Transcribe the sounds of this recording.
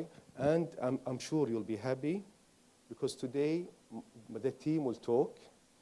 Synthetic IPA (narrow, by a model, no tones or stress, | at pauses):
ʔæ̃nd̪ʔãjmʃuːɾjulbiːɦapi | bɪkʰɔzt̪ʰʊd̪e | ðat̪ʰĩːmwɪlt̪ʰoːk